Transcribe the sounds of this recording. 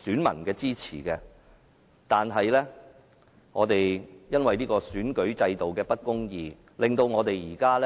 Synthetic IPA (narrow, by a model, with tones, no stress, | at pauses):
syː˨˥nmɐ̰˨˩nkɛː˧t͡siː˥t͡sʰḭː˨˩kɛː˧ | t̪aː˨nɦɐ˨jlɛː˥ | ŋɔː˨˧t̪e˨jjɐ˥nwɐ˨jniː˥kɔː˧syː˨˥nkɵ˨˥ɥt͡sɐ˧jt̪o˨wkɛː˧pɐ˥t̚kʊ˥ŋjiː˨˧ | lɪ˨ŋt̪o˧wŋɔː˨˧t̪e˨jjiː˨˩kaː˥lɛ˥